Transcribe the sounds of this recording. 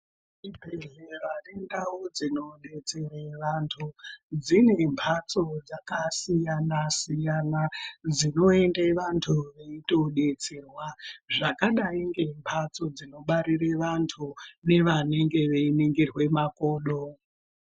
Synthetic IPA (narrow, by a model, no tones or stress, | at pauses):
ʐipeɮeʋanendawod͡zino̞ɗe̞t͡sereʋantʰud͡zine̞mpʰat͡so̞d͡zakasijanasijanad͡zino̞e̞ndeʋantʰuʋe̞ito̞ɗe̞t͡serwaʐakaɗaiŋɡe̞mpʰat͡so̞d͡zino̞ɓaɾireʋantʰune̞ʋane̞ŋɡe̞ʋe̞iniŋɡirwe̞makoːɗo